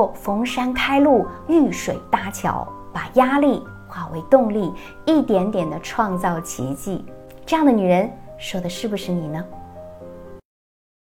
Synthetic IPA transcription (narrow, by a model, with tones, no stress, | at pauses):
fɤ˧˥ŋʂa˥nkʰa˥ɪlu˥˩y˥˩ʂwe˨˩ɪt̪a˥˩t͡ɕʰjɑ̰˧˥ʊpa˨˩ja˥li˥˩ | xwa˥˩we˧˥ɪt̪ʊ˥˧ŋli˥˧ | i˥˩t̪jɛ˧˥nt̪jɛ˨˩nd̪ə˦ʈ͡ʂʰwɑ˥˧ŋt͡sɑ˥˩ʊt͡ɕʰḭ˧˥t͡ɕi˥˩ʈ͡ʂɤ˥˧jɑ˥˩ŋd̪ə˩ny˨˩ɻə˧˥nʂɔ˨˩d̪ə˦ʂɻ̩˥˩bu˩ʂɻ̩˥˩ni˨˩nə˦